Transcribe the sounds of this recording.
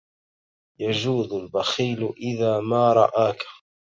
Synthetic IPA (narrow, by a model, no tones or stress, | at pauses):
jad͡ʒuːd̪ʊlbaxiːlʔɪðaːmaːɾˤɑ̰ʔaːkḁ